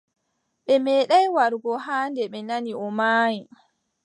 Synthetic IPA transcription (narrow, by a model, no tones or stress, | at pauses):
ɓɛmɛːɗajwaɾɡɔɦaːndɛɓɛnaniʔɔmaːji